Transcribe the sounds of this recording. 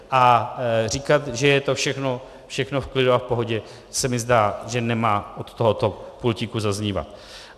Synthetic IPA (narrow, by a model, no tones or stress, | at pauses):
ʔariːkat̪ʒɛjɛt̪ofʃɛxno̞ | fʃɛxno̞fklɪduafpo̞ɦo̞ɟɛ | sɛmɪzdaːʒɛnɛmaːʔot̪ːoɦot̪o̞pulcɪkuzazɲiːva̰t̪